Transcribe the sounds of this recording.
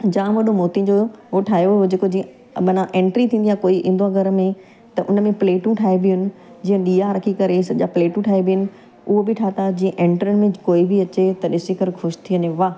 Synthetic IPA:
d͡ʑãːʋɐɗomoːt̪ĩd͡ʑoɦoʈʰaːɦjod͡ʑeːkod͡ʑĩːə̃ | mɐnãʔẽːɳʈɾit̪ʰĩːnd̪ijakoːiʔɪ̰̃nd̪uãɡʱɐɾəmẽ | t̪ɐʔʊnəmẽpleːʈũʈʰaːebɪʊnɪ̆ | d͡ʑiːə̃ɗiːaɾɐkʰikɐɾesɐʄapleːʈũʈʰaːebɪjʊnɪ̆ | ʊɦobɪʈʰaːt̪ad͡ʑĩːə̃ʔẽːɳʈɾənɪ̆mẽkoːibʱiɐt͡ɕet̪ɐɗɪsɪkɐɾxʰʊʃt̪ʰiʋəɲẽʋaː

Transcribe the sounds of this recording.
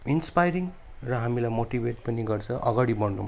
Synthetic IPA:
inspajɾiŋ | rʌɦamilajmoʈibeʈ̚pʌniɡʌrt͡sʰʌʔʌɡaɽibʌnːum

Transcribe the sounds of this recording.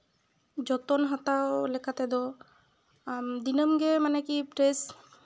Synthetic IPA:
d͡ʒɔt̪ɔnɦat̪awlɛkʰat̪ɛd̪ɔ | d̪inəmɡɛmanɛkipɾes

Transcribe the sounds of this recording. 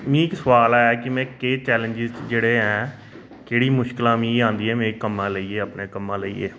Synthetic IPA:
mĩːɪksəʋaːlɛːkɪmɛ̃ːkeːt͡ʃɛːlə̃ɲd͡ʒɪzd͡ʒeːɽeːɦɛ̃ː | keːɽiːmʊʃkɪlãːmĩːãːnd̪iːɛ̃ːmẽːkəmːãːləiːeːəpneːkəmːãːləiːḛː

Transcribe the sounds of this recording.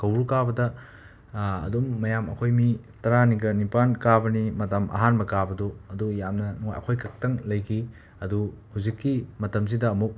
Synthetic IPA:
kɐwɾukabɐdɐ | dumːɐjamɐ̰kʰojmi | tɐɾaniɡɐnipankabɐnimɐtɐmʔɐ̰ɦanbɐkabɐduɐdujamnɐnuŋo̰jɐ̰kʰojkʰɐk̚tɐŋlɐjkʰi | ɐduhuzikːimɐtɐms̬idɐːmuk̚

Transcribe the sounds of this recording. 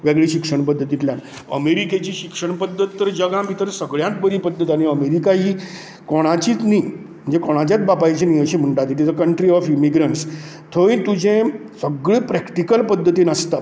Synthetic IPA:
ʋeɡɭiːɕikʂəɳpəd̪ʱːət̪it̪ljan | ə̰meɾiket͡ɕiːɕikʂəɳpəd̪ʱːət̪ːəɾd͡ʑəɡãmiːt̪əɾsəɡɭjãnt̪̚bəɾiːpəd̪ʱːət̪aɽ̃iəmeɾikaɦiː | kɔɽ̃at͡ɕiːt̪niː | mm̤əɳd͡zekɔɽ̃at͡ɕjat͡s̪̚babajt͡ɕenijəɕem̤əɳʈat̪iʈizəkəɳʈɾiɔfimiɡɾəɳʈs | t̪ʰoʋĩt̪ud͡ʑʱẽsəɡɭiːpɾɛkʈikəlpəd̪ʱːət̪iːnəst̪a

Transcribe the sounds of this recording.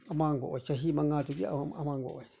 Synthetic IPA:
amãŋɡo̰ʔt͡ʃaɦimãŋɡãt̪ukḭa̰amãŋɡʷo̰ʔoi

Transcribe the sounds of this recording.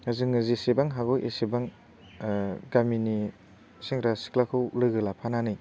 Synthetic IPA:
hazɯŋɯzisebaŋɦaɡɔjʔḛsebaŋ | ɡamini | siŋɾasi̥klakʰɯwlɯɡɯlapʰananɯj

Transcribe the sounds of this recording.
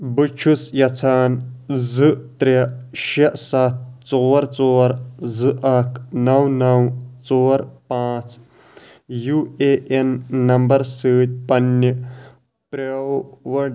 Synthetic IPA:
bɨt͡ʃʰusjɐt͡sʰaːnzɨt̪ɾeʃɐʔsɐt̪̚t͡soːɾt͡soːɾzɨʔɐkʰnɐwnɐwt͡soːɾpãːt͡s | juːeʔenːɐmbɐɾsɨːt̪̚ʲpɐnː | pɾɐwʋɐɖ

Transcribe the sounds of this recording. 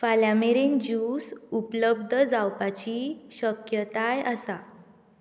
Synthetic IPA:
faljameɾend͡ʑusupləb̚d̪ʱəd͡zawpat͡ɕiɕəkjət̪ajəsa

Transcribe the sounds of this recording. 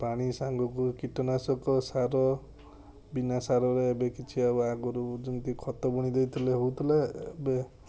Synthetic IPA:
paɽ̃isaŋɡɔkukiʈɔnasɔkɔsaɾɔ | binasaɾɔɾebekʰit͡ʃʰiabaɡɔɾud͡ʒunt̪ikʰɔt̪ɔbɔɽ̃id̪ejt̪ʰɔleɦuwt̪ʰileːbe

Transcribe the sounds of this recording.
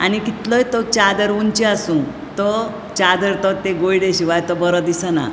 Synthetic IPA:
a̰ñikit̪ləjt̪ɔt͡ɕad̪əɾunt͡ɕiasũ | t̪ɔ | t͡ɕad̪əɾt̪ɔt̪eɡojɽeɕiʋajt̪ɔbəɾəd̪isana̰

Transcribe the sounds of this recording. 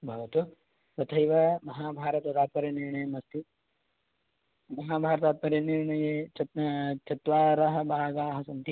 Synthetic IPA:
bʱaʋɐt̪o | pɐt̪ʰɐjʋamɐɦaːbʱaːɾɐt̪ɐt̪aːt̪̚mɐɾjɐniɾɳɐjemɐst̪i | mɐɦaːbʱaːɾɐt̪aːt̪̚pɐɾjɐniɾɳɐjet͡ʃɐt͡ʃɐt̪ʋaːɾɐɦɐ̆bʱaːɡaːɦɐsɐnt̪i

